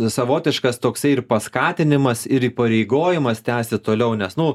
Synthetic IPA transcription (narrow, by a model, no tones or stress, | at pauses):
sɐʋoːt̪ʲɪʃkɐst̪oːksɐɪɪrpɐskɑːt̪ʲɪnʲɪmɐsɪɾiːpɐɾʲɛɪɡoːjɪmɐst̪ʲæːsʲɪt̪oːlʲɛʊnʲɛsnʊ